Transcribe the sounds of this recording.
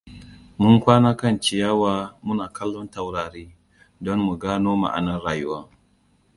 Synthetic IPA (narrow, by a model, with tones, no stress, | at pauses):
mʊ˦ŋkʷaː˦na˦kɐ˦˨nt͡ʃɪ˨jaː˦waː˨mʊ˦naː˨kɐ˦lːɔ˦nta˨wɽaː˨ɽiː˦ | dɔ˦mmu˨ɡaː˦noː˦ma̰˨ʔa̰˨nɐ˦nɽaː˨jʊ˦waː˦